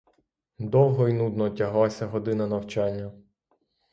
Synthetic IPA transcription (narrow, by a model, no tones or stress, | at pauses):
d̪ɔwˠɦɔinud̪nɔtʲɐɦlˠasʲɐɦɔd̪ɪnɐnɐwt͡ʃɑnʲːɐ